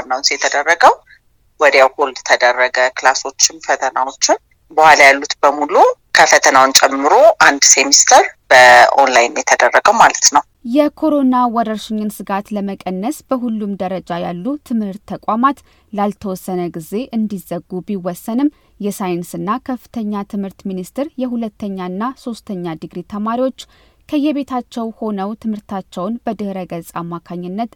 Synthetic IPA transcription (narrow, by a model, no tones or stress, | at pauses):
nːawʊnsjɛt̪ʰəd̪ərːəɡəw | wɔd̪jawhold̪t̪ʰəd̪ərːəɡəklaso̞t͡ʃːɪnfət̪ʰənawo̞t͡ʃːɪn | bəhʷalajalːut̪bəmulukʰəfət̪ʰənawnt͡ʃʼɛmːɨɾoʔand̪semist̪ʰəɾb̥əʔo̰nlajnjɛt̪ʰəd̪ərːəɡəwmalət̪nəw | jɛkʰo̞ɾo̞nawɔɾəɾʃɪɲːɪnsɨɡat̪ləməkʼənːəsb̥əɦulːumd̪əɾəd͡ʒajalːut̪ʰɨmhɨɾt̪ʰːəkʷʼwamat̪ | lalt̪ʰəwɔsːənəɡize̞ʔɨnd̪izəɡːubiwɔsːənɨm | jɛsajɪnsɨnːakʰəfːɨ̥t̪ʰəɲːat̪ʰɨmhɨɾt̪minist̪ʰɪɾjɛhulət̪ʰːəɲːaɨnːaso̞st̪ʰəɲːad̪ɨɡɾit̪ʰəmaɾiwo̞t͡ʃː | kʰəjɛβet̪ʰat͡ʃːɛwho̞nəwt̪ʰɨmhɨɾt̪ʰat͡ʃːɛwnbəd̪ɨhɾəɡəzʼamːakʰaɲːɪnːət̪